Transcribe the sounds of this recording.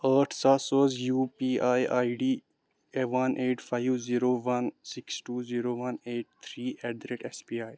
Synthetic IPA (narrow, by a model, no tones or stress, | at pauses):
əːɾʈʰsasoːzjuːpiːaːjaːiɖiː | eʋɐnʔeːʈfʰaɪʋziːɾoːʋɐnsɪksʈuːziːɾoːʋɐneːʈ̚t̪ʰɾiːɛɖ̚d̪ɾeʈespiːaːj